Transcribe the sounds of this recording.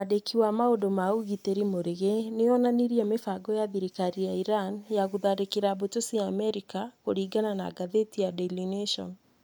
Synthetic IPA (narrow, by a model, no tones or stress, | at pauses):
adekʰiwamaodomauɣiteɾimoɾeɣeneɔnaniɾiamefaɡɔjaðiɾikaɾijaiɾanjaɣuðaɾekeɾabotosiaːmɛɾikakoɾiːɡanana̰ɡaðetijadɛlineʃɔ̰n